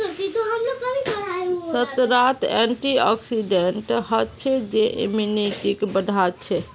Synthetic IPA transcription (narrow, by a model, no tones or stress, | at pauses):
it̪oɦəmlokəmibəɽasət̪ɾat̪ɛ̰ɳʈiɔ̰ksiɖeɳʈɦətt͡ʃʰɛd͡ʒeʔḭminiʈikebəd̪ʱat͡ʃʰɛ